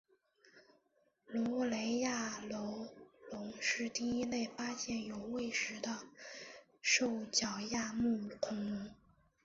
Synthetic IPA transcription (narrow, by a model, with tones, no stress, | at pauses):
lɔ˧˥˩le˧˥ɪja˥˩lo˧˥ʊlʊ˧˥ŋʂɻ̩˥˧t̪i˥˧i˥ne˥˩ɪpa˥ɕjɛ˥˩njo˨˩ʊwe˥˩ɪʂɻ̩˧˥d̪ə˧ | ʂo˥˩ʊt͡ɕjɑ˨˩ʊja˥˧mu˥˩k̪ʰʊ˧˥ŋ˧˥ŋ